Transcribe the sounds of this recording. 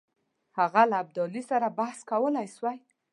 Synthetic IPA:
haɣalaːb̚d̪ɔlisaɾabahskawəlajswaj

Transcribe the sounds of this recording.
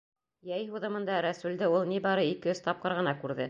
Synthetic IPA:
jæjɦuðɤ̆mɤ̆nd̪ɑɾæsʉld̪ɘulˠnibɑɾɤikɘ̆ɵzt̪ɑp̚qɤ̆ɾʁɤ̆nɑkʉɾðɘ

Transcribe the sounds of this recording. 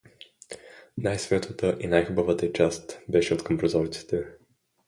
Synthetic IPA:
najsvʲat̪ʰət̪əʔinajxubəvət̪ət͡ʃast̪bɛʃɛot̪kəmpɾozɔɾit̪si̥t̪ɛ

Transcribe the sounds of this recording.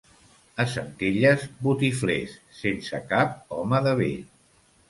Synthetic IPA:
əsənt̪eʎəzbut̪iflesːensə̰kap̚ɔməðəβeʎ

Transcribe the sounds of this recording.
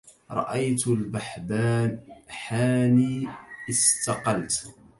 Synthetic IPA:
ɾˤɑ̰ʔajt̪lbaħbaːnħaːniːʔɪst̪ɑqɑlt̪

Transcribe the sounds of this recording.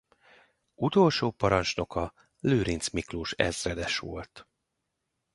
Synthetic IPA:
ut̪o̞lʃoːpɒɾɒnt͡ʃno̞kʰɒ | løːɾint̪smikluʃɛ̰zrɛd̪ɛʃʋo̞̰lt̪

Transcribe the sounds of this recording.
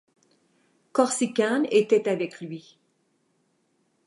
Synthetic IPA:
kɔʁsikanet̪ɛt̪avɛkʰlɥi

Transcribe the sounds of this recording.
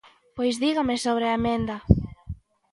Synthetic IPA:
pojzðiɣamesoβ̞ɾeamend̪a

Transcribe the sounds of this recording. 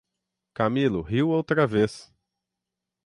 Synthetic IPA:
kamilʊɦiwowt̪ɾɐves

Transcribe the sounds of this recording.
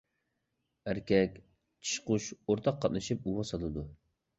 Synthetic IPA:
æɾkʲʰɛkʲ | t͡ʃʰi̥ʃqʊʃoɾt̪ʰɑqʰːɑt̪̚nɨʃip̚uwɑsɑlˠɨd̪u

